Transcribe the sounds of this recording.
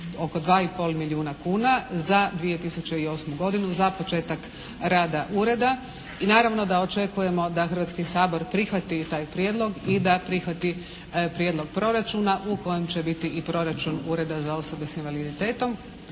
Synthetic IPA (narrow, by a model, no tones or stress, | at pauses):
o̞ko̞d̪ʋaːipo̞lmiʎʲiuːnakuːnazad̪ʋije̞t̪isut͡ʃe̞io̞ːsmuɡo̞d̪inuzapo̞t͡ʃe̞ːt̪ak | ɾaːd̪aʔuːɾe̞d̪a | inaːɾaʋno̞d̪ao̞t͡ʃe̞kuje̞mo̞d̪axərʋat̪skisaːbo̞ɾpɾixʋat̪it̪aːjpɾjed̪lˠo̞ɡid̪apɾixʋat̪i | pɾjed̪lˠo̞ɡ̚pɾo̞ɾat͡ʃunaʔuko̞je̞mt͡ɕe̞bit̪iʔipɾo̞ɾat͡ʃunuːɾe̞d̪azao̞so̞be̞sinʋalid̪it̪e̞ːt̪o̞m